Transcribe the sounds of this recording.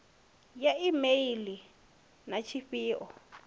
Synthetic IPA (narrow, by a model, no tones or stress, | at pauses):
jaimeili | nat͡ʃʰiɸiːʔɔ